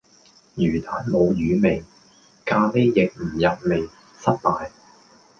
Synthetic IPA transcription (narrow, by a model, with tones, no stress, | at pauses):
jyː˨˩t̪aː˨˥nmo˨˧wjyː˨˧mɪ˨˩ŋ | kaː˧le˥jːɪ˨k̚m̩˨˩jɐ˨t̚me˨j | sɐ˥t̚t̪aː˨j